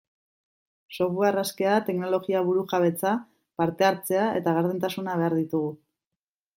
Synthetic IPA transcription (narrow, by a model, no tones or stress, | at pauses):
so̞βuaraske̞at̪e̞kno̞lo̞ɣiaβuɾuxaβ̞e̞t͡sa | paɾt̪e̞aɾt͡se̞ae̞̰t̪aɣaɾðent̪asunaβe̞aɾðit̪uɣ̞u